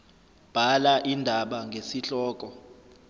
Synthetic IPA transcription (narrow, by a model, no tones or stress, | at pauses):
b̥ʱalaʔindʱaɓaŋɡʱesiɬɔːk̬ʼɔ